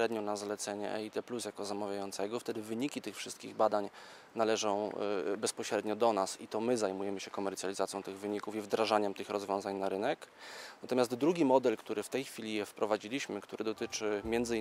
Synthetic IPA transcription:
ɾɛd̪ɲɔnazalɛt̪sɛɲɛ̰ʔɛ̰it̪ɛplusjakɔzamavʲjajɔnt̪sɛɡɔft̪ɛd̪ɘvɘɲikʲit̪ɘxfʂɘst̪kʲiɣbad̪aɲ | nalɛʐɔ̃w̃bɛspɔɕɾɛd̪ɲɔd̪ɔnasit̪ɔmɘzajmujɛmɘɕɛkɔmɛɾt̪ʲjalʲizat̪sjɔ̃t̪ɘɣvɘɲikufivd̪ɾaʐaɲɛmt̪ɘxɾɔzvʲjɔ̃w̃zaɲnaɾɘnɛknat̪ɔmʲast̪d̪ɾuɡʲimɔd̪ɛlkt̪uɾɘft̪ɛjxfʲilʲijɛfpɾɔvad͡ʑilʲiɕmɘkt̪uɾʔɘd̪ɔt̪ɘt͡ʂɘmʲjɛnzɘ

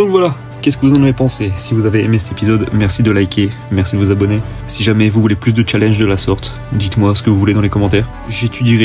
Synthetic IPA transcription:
d̪ɔ̃kvwala | kʲɛskəvuzɑ̃navepɑ̃sesivuzaveemesɛ̥t̪epizɔd̪mɛʁsid̪əlajkʲʰemɛʁsid̪əvuzabɔne | siʒamɛvuvuleplys̬d̪ət͡ʃalɛ̃nʒd̪əlasɔʁt̪ | d̪it̪mwasə̥kəvuvuled̪ɑ̃lekɔmɑ̃t̪ɛːʁ | ʒet̪ʰyd̪iʁɛ

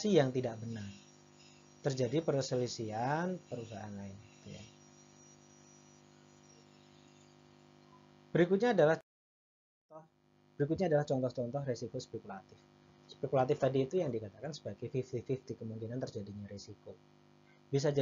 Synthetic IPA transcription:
sijaŋt̪idaʔbənar | t̪ərd͡ʒadipərkəsəlisianpəɾus̬aʔa̰nlaɪnɡi̥t̪ṵɲa̰ | b̥əɾikut̪̚ɲaːdalah | bəɾik̬ut̪̚ɲaːdalaht͡ʃɔnt̪ɔht͡ʃɔnt̪ɔɦresikospekulat̪ɪf | spekulat̪ɪft̪adiːt̪ujaŋdikat̪akansə̥baɡajfift̪ifift̪ikəmuŋkinant̪ərd͡ʒadiɲaɾesiko | bis̬ad͡ʒa

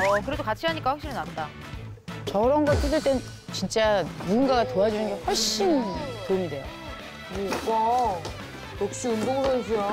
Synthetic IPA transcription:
ʌkɯɾe̞dokat͡ɕʰiɦaɲik͈aɸwakɕ͈iɾnat̚t͈a | t͡ɕʌɾʌnɡʌɭt͈ɯd͡ʑɯɭt͈e | t͡ɕint͡ɕ͈amuɡunɡaɡatoad͡ʑunɯnɡe̞ɸwʌɭɕ͈intomde̞jo̰ | jea | jok̚ɕ͈iundoŋsʰans̬ʰejo

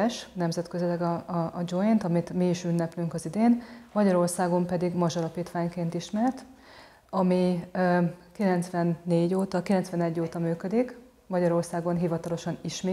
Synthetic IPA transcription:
ɛʃnɛmzɛt̪køzylɛɡɒːd͡ʒojint̪ɒmit̪miːʃynːɛplyŋkɒzid̪eːnmɒɟɒɾo̞rsaːɡo̞mpɛd̪iɡmɒʒɒlɒpiːt̪ʋaːɲkeːnt̪iʃmɛrt̪ | ɒmi | kilɛnt̪sʋɛnːeːɟoːt̪ɒkilɛntsʋɛnɛɟːoːt̪ɒmyːkød̪ik | mɒɟɒɾo̞rsaːɡo̞nɦivɒt̪ɒlo̞ʃɒniʃmeː

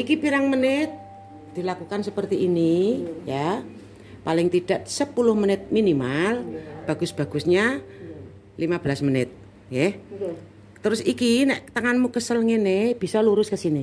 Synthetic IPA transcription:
ʔikipiɾaŋmənɪt̪̚ | d̪̥ilakukansəpərt̪iinija | palɪŋt̪id̥aʔsəpulʊhmənɪt̪̚minimalb̥a̤ɡʊsb̥a̤ɡ̥ʊ̤sɲa | limab̥əlasmənɪt̪̚ | jɛ | t̪əɾʊsikinɛʔt̪əŋanmukəsəlŋeneb̥i̤sɔluɾʊskəsini

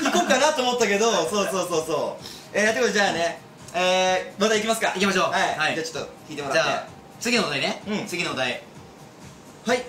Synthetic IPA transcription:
ikoːkanat̪oːmot̪ːake̞d̪oso̞ːso̞ːsoːsoː | eːt̪ekot̪ːd͡ʑaːne̞ | eːmat̪aikʲimasɨ̥kaikʲimaɕoːhaihaid͡ʑaːt͡ɕot̪ːokʲiːt̪e̞moɾaaːe | t͡sɨɡʲinood̪aineɯ̃ɴt͡sɨɡʲinood̪ai | hai

